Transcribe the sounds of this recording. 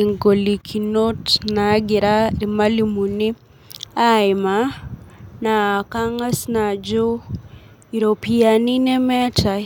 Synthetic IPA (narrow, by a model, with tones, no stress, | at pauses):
i˨ŋɡo˨li˨kʰi˨no˦tna˨˦ɡɪ˨ɾa˦ɾi˨ma˦li˨mu˨ni˦ | a˦ɪ˨ma | na˨ka˦ŋa˦sna˨d͡ʒo˦ | i˨ɾo˨pia˨ni˦nɛ˦mɛ˦ta˨